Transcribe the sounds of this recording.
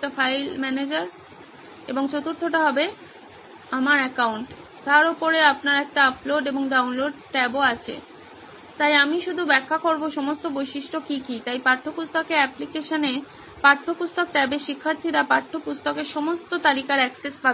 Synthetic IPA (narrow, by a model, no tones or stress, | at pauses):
ʈafajlmɛned͡ʑaɾ | eboŋt͡ɕot̪uɾt̪ʰːoʈaɦɔbe | amaɾɛkawɳʈ | t̪aɾopoɾeapnaɾɛk̚ʈaaploɖeboŋɖawnloɖʈɛboat͡ɕʰḛ | t̪ajamiʃud̪ʱubɛkʰːakoɾboʃɔmost̪obojʃiʃʈokikit̪ajpaɾt̪ʰːopust̪ʰokeɾɛplikeʃane | paɾt̪ʰːopust̪ok̚ʈ̪ɛbeʃikʰːaɾt̪ʰiɾapaɾt̪ʰːopust̪ʰokeɾʃɔmost̪ot̪alikaɾɛksesbʱa